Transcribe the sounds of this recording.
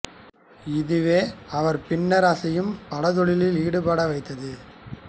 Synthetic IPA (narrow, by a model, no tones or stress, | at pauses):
ɪðɯʋeːɐʋɐɾpɪnːɐɾaːsɐjɯmpɐɽɐt̪ɔɭɪlɪliːɽɯpaːɽɐʋɐɪt̪ːɐðɯ